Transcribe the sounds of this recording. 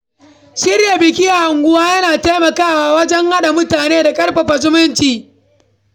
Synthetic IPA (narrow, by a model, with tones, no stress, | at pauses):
ʃɪ˦ɾja˨bɪ˨kʲɪ˦ja˨ha˨ŋɡʷʊ˦waː˦jɐ˦naː˨taː˦mɐ˨kaː˦waː˦wɐ˦d͡ʒɛ˦ŋha˦ɗa˨mʊ˦taː˨neː˦da˨kʼɐ˦ɽɸɐ˨ɸɐ˨zʊ˦mʊ˦nt͡ʃiː˨